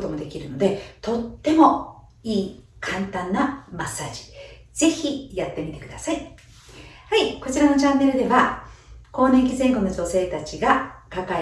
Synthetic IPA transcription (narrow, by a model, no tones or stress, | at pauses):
ot̪o̞mo̞d̪e̞kʲiɾɯ̟no̞d̪e̞t̪o̞t̪ːe̞mo̞ | iːkʰãnt̪ãnːamasːaːd͡ʑi̥ | z̥e̞çʲijat̪ːe̞mʲit̪e̞̥kɯd̪asai | haiko̞t͡ɕiɾanot͡ɕãnːe̞ɾɯ̟d̪e̞βako̞ːnẽ̞ŋkʲizẽ̞ŋkono̞d͡ʑo̞se̞ːt̪at͡ɕiɡakaka